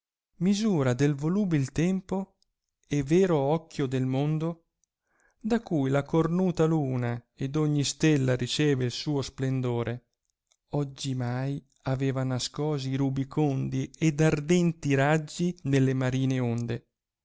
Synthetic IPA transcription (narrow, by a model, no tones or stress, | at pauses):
mizuːɾad̪elvoluːbilt̪ɛmpo | ɛvɛːɾoɔkːjod̪elmond̪o | d̪akːujlakornuːt̪aluːna | ed̪oɲːist̪ɛlːaɾit͡ʃɛːveilsuːosplend̪oːɾʔe | ɔd͡ʒːimaj | avɛːvanaskɔːziɾubikʰond̪iɛd̪ard̪ɛnt̪iɾad͡ʒːinelːemaɾiːneond̪e